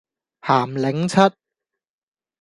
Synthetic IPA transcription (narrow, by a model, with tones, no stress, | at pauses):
haː˨˩mlɪ˨˥ŋt͡sʰɐ˥t̚